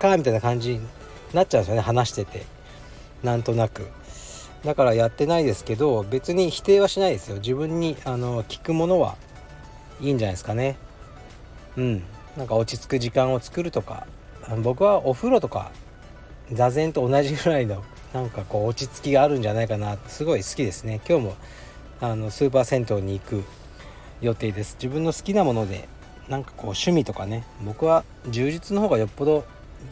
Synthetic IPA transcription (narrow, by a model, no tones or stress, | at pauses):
kamʲit̪ainakãɲ̟d͡ʑi | natt͡ɕːaɯ̃nsjone̞hanaɕi̥t̪e̞t̪e̞̰ | nãnt̪o̞nakɯ̟ | d̪akaɾajat̪ːe̞naid̪e̞sɨ̥ke̞d̪o̞be̞t͡sɨɲ̟içi̥t̪e̞ːβaɕinaid̪e̞sɨjo̞d͡ʑɨβɯ̟̃ɲ̟ːiano̞kʲi̥kɯ̟mo̞no̞βa̰ | iːɲ̟d͡ʑanasɨ̥kane̞ | ɯ̟̃ɴ | nãŋkao̞t͡ɕit͡sɨ̥kɯ̟ʑikãɰ̃o̞t͡sɨ̥kɯ̟ɾɯ̟t̪o̞ka̰ | anbo̞kɯ̟βaʔo̞ɸɯ̟ɾo̞t̪o̞ka̰ | d͡zazẽ̞nt̪o̞ːnaʑiɡɯ̟ɾaino̞ | nãŋkako̞ːt͡ɕit͡sɨ̥kʲiɡaːɾɯ̟̃ɲ̟d͡ʑanaikanat̪sɨɡo̞isɨ̥kʲid̪e̞sɨne̞kʲo̞ːmo̞ | ano̞sɨːp̬aːsẽ̞nt̪o̞ːɲ̟iːkɯ̟ | jo̞t̪e̞ːd̪e̞sɨ̥d͡ʑibɯ̟̃nːo̞sɨ̥kʲinamo̞no̞d̪e̞̰ | nãŋkḁko̞ːɕɨmʲit̪o̞kane̞bo̞kɯ̟βa | d͡ʑɨːʑit͡sɨno̞ho̞ːɡajo̞pːo̞d̪o̞